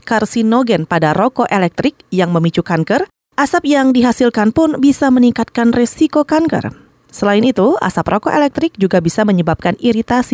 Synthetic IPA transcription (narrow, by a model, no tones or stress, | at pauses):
karsinoɡɛnpadaɾokoʔelɛk̚t̪ɾɪk̚jaŋməmit͡ʃukaŋkər | ʔasap̚jaŋdiɦasilkanpʊnbisaməniŋkat̪̚kanresikokaŋkə̰r | səlaɪnit̪ua̰saprokoʔḛlɛk̚t̪ɾɪk̚d͡ʒuɡabisaməɲəbap̚kaniɾit̪asi